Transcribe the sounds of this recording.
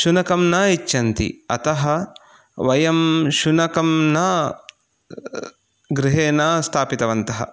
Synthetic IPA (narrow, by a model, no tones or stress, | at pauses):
ʃunɐkɐmnɐit͡ʃːɐnt̪ḭɐ̰t̪ɐɦɐ | ʋɐjɐmʃunɐkɐmnɐ | ɡɾɪɦeːnaːst̪ʰaːpit̪ɐʋɐnt̪ɐɦɐ̰